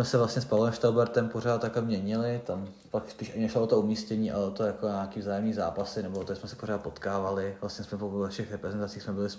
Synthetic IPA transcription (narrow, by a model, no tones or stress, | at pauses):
mɛsɛvlast̪ɲɛspalɛmʃt̪awbɛɾt̪ɛmpoɾaːt̪t̪ːaklɛmɲɛɲɪlɪt̪am | pakspiːʃʔaɲɪnɛʃloot̪oumiːscɛɲiːʔa̰lɛot̪ojakoɲaːkiːvzaːjɛmɲiːzaːpasɪnɛboot̪oɪsmɛsɛpoɾaːt̪̚po̞t̪kaːvalɪvlast̪ɲɛsmɛpoɛfʃɛxɾɛpɾɛzɛnt̪at͡siːxsmɛbɪlɪs